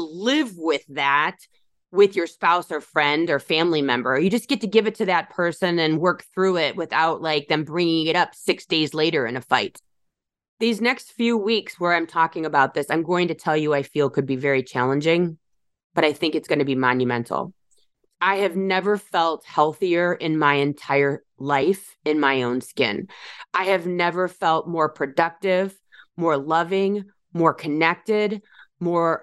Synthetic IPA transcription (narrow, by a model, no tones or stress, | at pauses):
lɪvwɪðæt̚ | wɪðjə˞spaʊsə˞fɹɛ̃ndə˞fæ̃mlimɛ̰̃mbə˞jɨd͡ʒʌsɡ̥ɛtɨɡɪvɨtʰɨðɨt̚pʰɜ˞sɨ̃nɨ̃nwɜ˞k̚θɹʉɪt̚wɨθaʊtlaɪk̚ðɨ̃mbɹɪ̃ŋɪ̃ŋɨɾʌpsɪksd̥eɪzleɪɾə˞ɨ̰̃nɨfaɪt̚ | ðiznɛkstfjʉwikswə˞ãɪ̃mtʰɔkɪ̃ŋɨbaʊt̪̚ðɪsãɪ̃mɡoʊɪ̃ŋtɨtʰɛlˠjɨaɪfilˠkʰɨd̚bivɛɹit͡ʃʰælˠə̃nd͡ʒɪ̃ŋ | b̥ʌɾaɪθɪ̃ŋkɨtsɡ̥ʌnɨbimɑ̃njɨmɛ̃ntʰˡl̩ˠ | ʔaɪɨvnɛvə˞fɛlˠt̚hɛlˠθiə˞ɪ̃nmaɪɨ̃ntʰaɪə˞ | laɪf | ɨ̃nmaɪõʊ̃nskɪ̰̃nʔaɪɨvnɛvə˞fɛlˠt̚mɔɹpʰɹ̥ɨdʌk̚tɪv | mɔɹlʌvɪ̃ŋ | mɔɹkʰɨnɛk̚tɪd̚mɔɹ